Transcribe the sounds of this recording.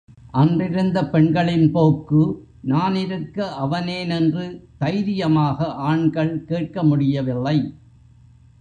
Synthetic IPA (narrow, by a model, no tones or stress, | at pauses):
ʔɐndrɪɾɯnd̪ɐpɛɳɡɐɭɪnpoːkːɯ | naːnɪɾɯkːɐʔɐʋɐneːnɛndrɯt̪ɐɪɾɪjɐmaːɣɐʔaːɳɡɐɭkeːʈ̚kɐmʊɽɪjɐʋɪlːɐɪ